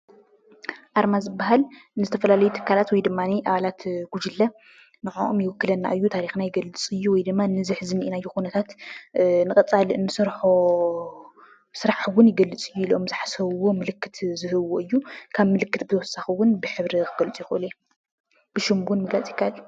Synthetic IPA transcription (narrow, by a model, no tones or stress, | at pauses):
ʔaɾmazɨbːaɦalnɨzɨt̪ʰɐfɐlalɐjut̪ʰɨ̥kʰːalat̪wɔjd̪ɨmːaniʔaβalat̪ɡ̥ud͡ʒɨlːɐ | nɨʕo̰ʔomjɪwɔkːɨlɐnːa̰ʔɨjːut̪ʰaɾixnajɪɡɐlːɨt͡sʼɨjːuwɔjd̪ɨmːanɨzɨħzɨniʔinajːukunɐt̪ʰat̪ | nɨkʼɐt͡sʼalɨnɨsɨɾħo | sɨɾaħwʊnjɪɡɐlːɨt͡sʼɨjːuilomzɨħasɐβwo̞mɨlɨkːɨt̪ʰzɨɦɨβoʔɨjːukʰaβmɨlɨkːɨt̪bɨt̪ʰɐwɔsaxɨwʊnbɨħɨβɾikɨɡɐlt͡sʼjɪxʔɨlu | b̥ɨʃɪmbʊnmɨɡlat͡sʼjɪkʰːaʔɨlː